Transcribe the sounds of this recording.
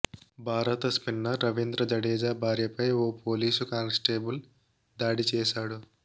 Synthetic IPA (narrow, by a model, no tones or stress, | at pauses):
bʱaːɾɐt̪ɐspinːɐɾɐʋind̪ɾɐd͡ʒɐɽeːd͡ʒaːbʱaːɾjɐpɐjoːpoːliːsukaːnsʈeːbul | d̪aːɽit͡ʃɛːʃaːɽu